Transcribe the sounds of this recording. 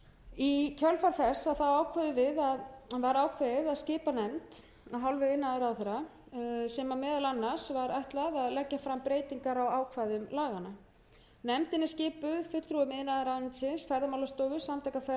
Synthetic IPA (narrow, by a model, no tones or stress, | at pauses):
icʰœlfaɾ̥θɛsːaðθawaːwkʰvaðʏvɪðaðvaɾaːwkʰvaðaðscɪːpanɛmt̪ | aðɦalvʏɪnːaðaɾawθɛɾa | sɛmamɛːðalanːaɾ̥svaɾajht̪laðaðlɛcːafɾampɾeːjt̪iŋkaɾawaːwkʰvaðʏmlaːɣanːa | nɛmt̪ɪnːɪscɪːpʏðfʏt̪t̪ʰɾuʏmɪnːaðaɾaw̪ɪnt̪sɪnsfɛɾðamawlast̪oːwvʏsamt̪ʰajkafɛ